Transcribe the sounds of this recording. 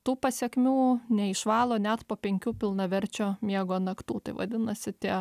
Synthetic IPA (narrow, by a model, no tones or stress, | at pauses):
t̪uːpɐsʲɛkʲmʲuːnʲɛɪʃʋɑːlˠoːnʲɛt̪poːpʲɛŋʲkʲuːpʲɪlˠnɐʋʲɛɾʲt͡ʃʲoːmʲiɛɡoːnɐkt̪uːt̪ɐɪʋɐ̰d̪ʲɪnɐsʲɪt̪ʲiɛ